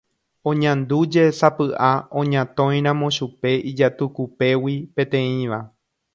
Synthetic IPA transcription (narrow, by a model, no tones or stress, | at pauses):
õ̞ɲãnd̪ud͡ʒe̞sapɨʔaõ̞ɲãt̪õ̞j̃ɾ̃ãmõʃupe̞id͡ʒat̪ukupe̞wipẽt̪ẽ̞ĩʋa